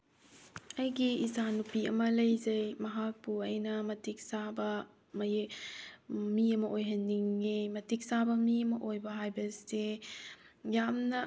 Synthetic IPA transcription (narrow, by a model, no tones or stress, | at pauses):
ɐjɡiːsanupiɐmɐlɐjzɐjmɐɦak̚puɐjnɐmɐtik̚sabɐ | mɐ | miɐmɐʔojɦɐnːiŋːemɐtik̚sabɐmiɐmɐʔojbɐɦajbɐste | jamnɐ